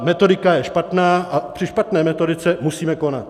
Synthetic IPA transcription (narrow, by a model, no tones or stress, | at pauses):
mɛt̪o̞dɪkajɛʃpat̪naːʔapr̥ɪʃpat̪nɛːmɛt̪o̞dɪt͡sɛmusiːmɛko̞na̰t̪